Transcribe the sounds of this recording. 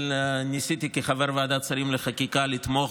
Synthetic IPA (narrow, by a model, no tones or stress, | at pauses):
nisit̪ikiχaveɾvead̪at͡saɾimleχakikalit̪mo